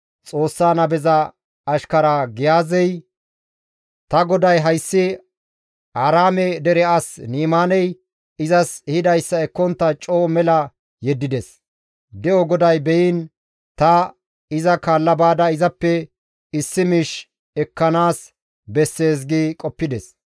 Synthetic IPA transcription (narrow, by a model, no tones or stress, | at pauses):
t͡sʼo̞ːsːaːnɐbɛzɐ | ɐʃkɐɾaɡɪjaːzɛj | t̪ɐɡɔd̪ɐjɦɐjsːɪ | aːɾaːmɛd̪ɛɾɛɐsniːmaːnɛj | ɪzɐshɪd̪ɐjsːɐɛkːɔnt̪ːɐt͡ʃʼoːmɛlɐ | jɛd̪ːɪd̪ɛs | d̪ɛɔɡɔd̪ɐjbɛjɪn | t̪ɐ | ɪzɐkaːlːɐbaːd̪ɐɪzɐpːɛ | ɪsːɪmiːʃ | ɛkːɐnaːs | bɛsːe̞ːs̬ɡɪkʼɔpːɪd̪ɛs